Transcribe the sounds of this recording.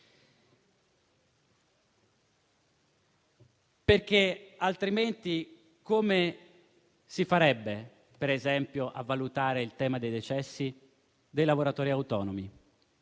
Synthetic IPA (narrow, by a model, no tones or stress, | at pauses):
perk̟ealt̪ɾiment̪i | kome | sifaɾɛbːe | peɾezɛmpjoʔa̰vːalut̪aːɾeilt̪ɛːmad̪ejd̪et͡ʃɛsːi | d̪ejlavoɾat̪ɔːɾiawt̪ɔːnomi